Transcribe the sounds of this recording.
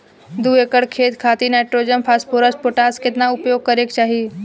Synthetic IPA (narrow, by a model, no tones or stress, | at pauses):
d̪uːekəɽkʰeːt̪kʰaːt̪inaːʈɾoːd͡ʒəmpʰaːspoːɾəspoʈaːskɪt̪naʊpjoːɡ̚kɐɾeːkt͡ʃaːɦiː